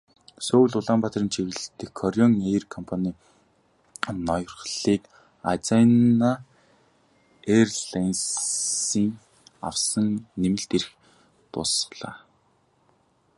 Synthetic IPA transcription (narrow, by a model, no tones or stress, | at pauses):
soːwɮʊɮaːmpat̪rə̆nt͡ɕʰiɣɘ̆ɮt̪ɘ̆kʰːɔɾʲjɔŋerkʰɔmpʰaniː | nɔjɞ̆rχɮiːk | a̰t͡sana | erɮɮans | iːŋ | a̰wsə̆ŋnemɘ̆ɮt̪eɾx | t̪ʊ̰sχɮa̰ː